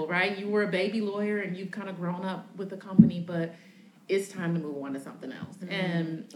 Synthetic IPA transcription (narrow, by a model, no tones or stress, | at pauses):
ɹaɪt̚ɨwə˞ɨbeɪbilɔɪə˞ɨ̃njɨv̥kʰãɪ̃ndɨɡɹõʊ̃nʌp̚wɨðɨkʰʌ̃mpɨnibʌɾ | ɪtstʰãɪ̃mtɨmuvɑ̃ntɨsʌ̰̃mθɪ̃ŋɛ̰lˠsɨ̃n